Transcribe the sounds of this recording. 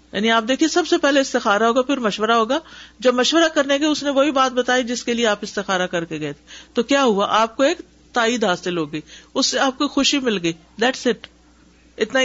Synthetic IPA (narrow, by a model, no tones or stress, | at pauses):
ja̰ːniaːpd̪eːkʰiesɐbsepɛɦleɪst̪ɪxaːɾaɦoːɡapʰɪɾmɐʃʋəɾaɦoːɡaːd͡ʒɐbmɐʃʋəɾakɐɾnekeʊsneʋoɦibaːt̪̚bɐt̪aːid͡ʒɪskelieaːpɪst̪ɪxaːɾakɐɾkeɡɐet̪ʰet̪okjaːɦuaʔaːp̚koeːk | t̪aːid̪ɦaːsɪlɦoːɡəiːʊsːeaːp̚kixʊʃimɪlɡəiː | d̪ɛːʈsɪʈ | ɪt̪na